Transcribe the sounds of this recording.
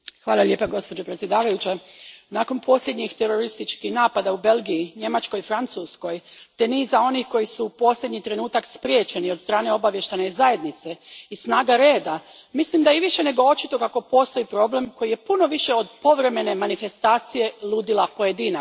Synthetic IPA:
xʋaːlˠalʲʎe̞ːpaɡo̞spo̞d͡ʑopɾet̪sjed̪aːʋajut͡ɕenaːko̞npʰo̞sljed̪ɲixt̪e̞ɾo̞ɾist̪it͡ʃkihnaːpad̪aube̞lɡiiɲe̞mat͡ʃko̞jfɾant̪suːsko̞jt̪e̞nizao̞nixko̞jisupo̞slʎʲe̞d̪ɲit̪ɾe̞nuːt̪akspɾje̞ːt͡ɕe̞niod̪st̪ɾaːne̞o̞baʋje̞ʃt̪ajnezaje̞d̪nit̪se̞isnaːɡaɾe̞ːd̪amislimd̪ajiʋiʃe̞ne̞ɡoo̞t͡ʃit̪o̞kako̞po̞ːst̪o̞ipɾo̞ble̞mko̞jije̞puno̞ʋiʃe̞o̞d̪po̞ʋɾe̞me̞ne̞manife̞st̪aːt̪sije̞lˠuːd̪ilapo̞je̞d̪iːna

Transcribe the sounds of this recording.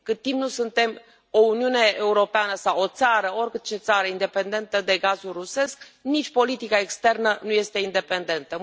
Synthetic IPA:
kɨt̪̚t̪ːimpnusunt̪e̞m | o̞uniune̞ʔːuɾo̞peanəsawot̪saɾəo̞rʲkɨt̪̚t͡ʃe̞t̪saɾəind̪e̞pe̞nd̪e̞nt̪əd̪e̞ɡazulruse̞sknit͡ʃʲpo̞lit̪ikaekst̪e̞rnənuje̞st̪e̞ind̪e̞pe̞nd̪e̞nt̪ə

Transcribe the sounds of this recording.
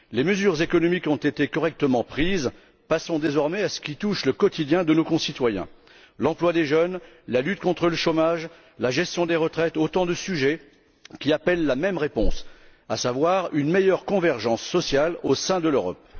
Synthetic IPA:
leməzyʁzekɔnɔmikɔ̃t̪et̪ekɔʁɛk̚t̪əmɑ̃pχiz | pasɔ̃d̪ezɔʁmɛasə̥kʲit̪uʃləkɔt̪id̪jɛ̃d̪ənokɔ̃sit̪wajɛ̰̃ | lɑ̃plwad̪eʒən | lalyt̪̚kɔ̃t̪χələʃomaʒ | laʒɛst̪jɔ̃d̪eʁət̪χɛt̪ot̪ɑ̃d̪əsyʒɛ | kʲiapɛlːamɛmʁepɔ̰̃sa̰savwaʁynmejœʁkɔ̃vɛʁʒɑ̃sːɔsjalosɛ̃d̪əløʁɔ̰p̚

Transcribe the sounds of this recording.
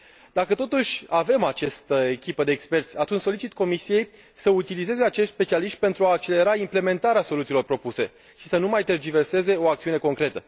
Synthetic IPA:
d̪akət̪o̞t̪uʃʲave̞mat͡ʃast̪əekʲipəd̪eːkspe̞rt̪sʲat̪unt͡ʃʲso̞lit͡ʃit̪ko̞misije̞j | səut̪ilize̞ze̞at͡ʃeʃt̪spe̞t͡ʃialiʃt̪̚ʲpe̞nt̪ɾuaːk̚t͡ʃe̞le̞ɾaimple̞me̞nt̪aɾeaso̞lut̪iːlo̞rpɾo̞puse̞ | ʃisənumajt̪erd͡ʒive̞rse̞ze̞o̞akt̪siune̞ko̞ŋkɾe̞t̪ə

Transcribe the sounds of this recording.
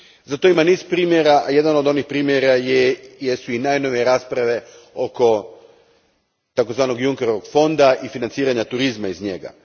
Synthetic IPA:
zat̪o̞imaniːzpɾiːmjeɾaʔaje̞d̪anod̪o̞nixpɾiːmjeɾajjesuinajno̞ʋieɾaːspɾaʋe̞ | o̞ko̞ | t̪ako̞zʋaːno̞ɡjuŋkeɾoʋoɡfo̞nd̪aʔifinant̪siːɾaɲat̪uɾizmaizɲe̞ɡa̰

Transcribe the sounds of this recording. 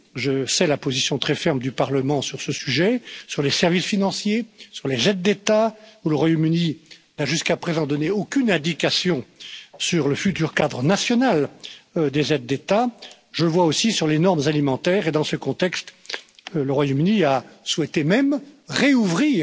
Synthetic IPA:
ʒəsɛlapozisjɔ̃t̪χɛfɛʁmd̪ypaʁləmɑ̃syʁsəsyʒɛsyʁlesɛʁvisfinɑ̃sjesyʁlezɛd̪̚ːet̪auləʁwajomyninaʒyskapχezɑ̃d̪ɔneokʲynɛ̃d̪ikasjɔ̃syʁləfyt̪yʁkad̪ʁənasjɔnal | d̪ezɛd̪̚ːet̪a | ʒələvwaosisyʁlenɔʁmzalimɑ̃t̪ɛːʁed̪ɑ̃səkɔ̃t̪ɛkst̪ | ləʁwajomyniaswɛt̪emɛmʁeuvʁiː

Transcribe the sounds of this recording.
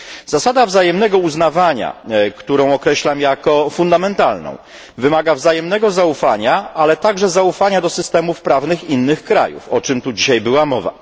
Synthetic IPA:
z̥asad̪avzajɛmnɛɡɔuznavaɲa̰kt̪uɾɔ̃w̃ɔkɾɛɕlamjakɔfund̪amɛnt̪alnɔ̰̃w̃ | vɘmaɡavzajɛmnɛɡɔzaufaɲaalɛt̪aɡʐɛzaufaɲad̪ɔsɘst̪ɛmufpɾavnɘxinːɘxkɾa̰jṵfɔt͡ʂɘmt̪ud͡ʑiɕajbɘwamɔva̰

